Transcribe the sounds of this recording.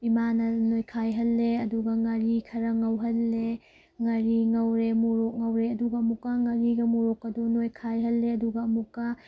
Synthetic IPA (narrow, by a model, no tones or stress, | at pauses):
imanɐnojkʰajɦɐlːeɐduɡɐŋɐɾikʰɐɾɐŋɐwɦɐlːe | ŋɐɾiŋɐwɾemuɾok̚ŋɐwɾeɐduɡɐːmukːɐŋɐɾiɡɐmuɾɔkːɐdunojkʰajɦɐlːeɐduɡɐːmukːɐ